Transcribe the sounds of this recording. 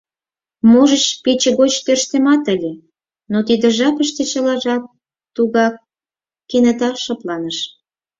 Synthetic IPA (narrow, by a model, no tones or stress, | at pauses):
moʒət͡ɕpet͡ɕĕɣot͡ɕt̪ørʃt̪ĕmɑt̪əlʲe | not̪id̪ə̆ʒɑpəʃt̪ĕt͡ɕəlɑʒɑk̚ | t̪uɣɑkː | enə̆t̪ɑʃɑplɑnəʃ